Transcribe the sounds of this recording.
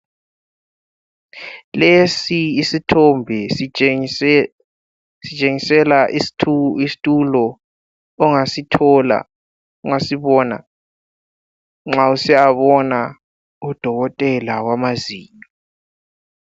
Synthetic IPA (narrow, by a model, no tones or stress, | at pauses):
lesiːsitʰɔmbʱɛs | sit͡ʃʼeŋisɛlatʰisi̥tʼulɔː | ŋasitʰɔla̰ | uŋasiβɔːna̰ | ŋ͡ǁausɛaβɔna | ud̥ʱɔɣɔtʼɛlawamazḭːɲɔ